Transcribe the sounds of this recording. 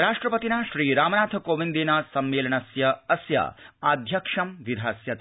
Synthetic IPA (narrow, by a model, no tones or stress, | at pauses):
ɾaːʂʈɾɐpɐt̪inaːʃɾiːɾaːmɐnaːt̪ʰɐkoːʋind̪iːnaːsɐmːeːlɐɳɐsjɐɐsjɐ̰aːd̪ʱjɐkʂɐmʋid̪ʱaːsjɐt̪